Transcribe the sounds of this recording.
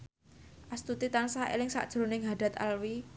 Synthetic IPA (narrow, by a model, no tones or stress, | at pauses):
ʔast̪ut̪it̪ansaḛlɪŋsa̰ʔd̥ʒ̥ɾo̤nɪŋɦad̥a̤t̪a̰lwi